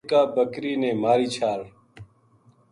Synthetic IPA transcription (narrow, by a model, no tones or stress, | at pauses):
kaːbəkɾiːnẽːmaːɾiːt͡ʃʰaːɽ